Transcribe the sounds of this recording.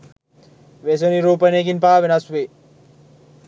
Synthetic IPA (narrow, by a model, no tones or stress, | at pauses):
ʋes̬oniɾuːpəneːkinpaːʋenasʋe